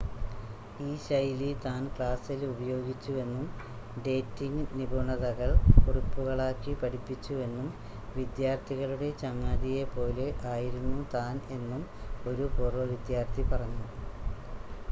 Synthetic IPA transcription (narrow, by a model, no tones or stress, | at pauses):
iːɕɐjlit̪aːnkɭaːsilubɐjo̞ːɡit͡ɕːue̞nːum | ɖe̞ːtːiŋnibʱuɳɐðɐɣɐɭkurupːuɣɐɭaːkːipɐɽipːit͡ɕːue̞nːum | ʋid̪jaːrt̪ʰiɣɐɭuɽe̞t͡ɕɐŋːaːðije̞po̞ːleʔaːjiɾunːut̪aːne̞nːumo̞ɾupurɐʋid̪jaːrt̪ʰipɐrɐɲːu